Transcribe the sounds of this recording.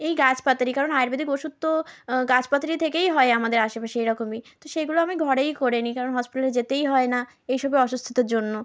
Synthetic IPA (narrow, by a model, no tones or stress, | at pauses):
ejɡat͡ɕpat̪ɾikaɾonajeɾbid̪ʱikoʃut̪ːoɡat͡ɕpat̪ɾit̪ʰekejɦɔeamad̪eɾaʃepaʃiejɾɔkomit̪oʃeɡuloamiɡʱɔɽejkoɾenikaɾonɦɔspiʈaleɾd͡ʑet̪ejɦɔena | ejʃɔbeɔʃust̪ʰi̥t̪oɾd͡ʑonːo